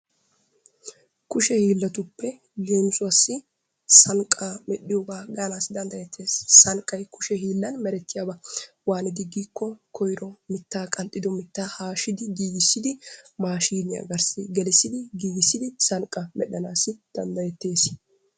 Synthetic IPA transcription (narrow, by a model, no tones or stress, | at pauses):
kʊʃɛhiːlːɐt̪ʊpːɛ | jeːnsʼʊɐsːɪ | sɐŋkʼːaːmɛɗɪjɔɡaːɡanaːsd̪ɐnd̪ɐjɛt̪ʰːe̞ːsːɐŋkʼːɐjkʰʊʃɛhiːlːɐnmɛɾɛt̪ːɪjaːbɐ | waːnɪd̪ɪɡːiːkːɔkʰɔjɾɔmɪt̪ːaːkʼɐnt̪ʼːɪd̪ɔmɪt̪ːaːhaːʃɪd̪ɪɡiːɡɪsːɪd̪ɪmaːʃiːmɪjɐ̰ɡɐɾsɪɡɛlɪsːɪd̪ɪɡiːɡɪsːɪd̪ɪsɐŋkʼːɐmɛɗɐnaːsɪd̪̥ɐnd̪ɐjɛt̪ːe̞ːs